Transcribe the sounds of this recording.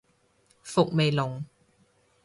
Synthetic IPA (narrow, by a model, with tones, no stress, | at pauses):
fʊ˨k̚me˨jlʊ˨˩ŋ